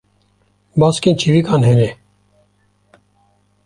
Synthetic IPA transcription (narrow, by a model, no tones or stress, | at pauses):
baːskẽːnt͡ʃʰiɾiːkaːnɦeːneː